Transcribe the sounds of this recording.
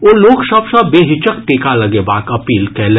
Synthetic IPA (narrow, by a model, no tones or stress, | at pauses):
oːloːksɐbsɐbbeːɦɪt͡ʃəkʈ̪eːkʰalɐɡeba̰ːkɐpiːlkɛle